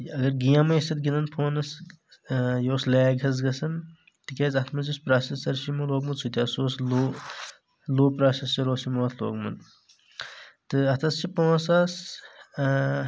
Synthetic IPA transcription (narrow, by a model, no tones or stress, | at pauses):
ɐɡɐɾɡijãmɐisɐt̪̚ɡinɐnpʰoːnɐs | joːsleːɡʱɐz̬ɡɐsɐn | t̪ikʲeːzɐt̪ʰmɐzispɾaːsesɐɾʃimuloːɡmɐnt͡sʰut̪ʲjaːsoːsloː | loːpɾaːsest͡ʃɐɾoːsimoːt̪ʰlo̰ːɡmɐ̰n | t̪ɨɐt̪ʰɐst͡ʃʰipõːsaːs